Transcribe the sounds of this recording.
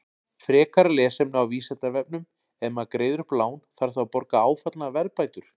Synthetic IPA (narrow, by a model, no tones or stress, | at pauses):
fɾɛːkaɾalɛːsɛmnʏawviːsɛt̪avɛp̚nʏm | ɛmakɾeːjðʏɾ̥plaːwnθaɾ̥θawpɔɾkaaːwfat̪lavɛɾpaːjt̪ʏɾ̥